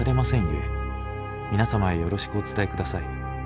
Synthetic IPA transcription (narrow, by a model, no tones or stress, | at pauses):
aɾe̞masẽ̞ɰ̃je̞̰ | mʲinasamae̞jo̞ɾo̞ɕi̥kɯ̟o̞t͡sɨ̥t̪ae̞kɯ̟d̪asai